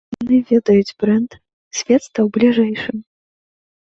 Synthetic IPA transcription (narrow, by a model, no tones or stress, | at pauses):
nɨvʲɛd̪ɐjud͡zʲbɾɛnt̪ | sʲvʲɛt̪st̪ɐwblʲiʐɛjʂɨm